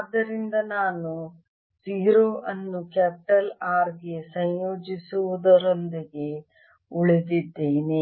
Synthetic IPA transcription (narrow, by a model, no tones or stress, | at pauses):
d̪ːɐɾind̪ɐnaːnu | siːɾoːʔɐnːukɛːp̚iʈɐlaːɾɡesɐjjoːd͡ʒisuʋud̪ɐɾond̪iɡe̞ | uɭed̪id̪ːeːne